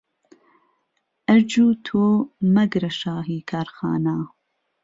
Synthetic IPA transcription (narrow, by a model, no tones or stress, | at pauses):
ʔɐɾd͡ʒuːt̪ʰoːmɐɡɾɐʃaːɦiːkʰaːɾxa̰ːnaː